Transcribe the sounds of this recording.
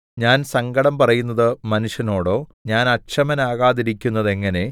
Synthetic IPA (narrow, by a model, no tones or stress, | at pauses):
ɲaːnsɐŋɡɐɽɐmpɐrɐjunːɐðɨmɐnuʂjɐno̞ːɽo̞ːɲaːnɐɕɐmɐnaːɣaːðiɾikʲːunːɐðe̞ŋːɐne̞